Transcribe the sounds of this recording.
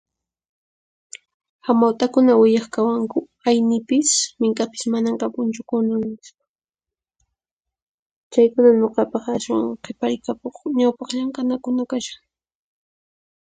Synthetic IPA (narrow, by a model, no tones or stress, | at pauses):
xamawt̪akʊnawɪʎɑχkawaŋkʊ | ajnɪpɪsmɪŋkapɪ̥smanaŋqɑpʊnt͡ʃʊkʊnʊnɪspḁ | t͡ʃajkʊnaɲoqɑpɑχaswa̰ŋqʰepaɾɪkakoχɲawpɑχʎamkanakʊnakaʃḁŋ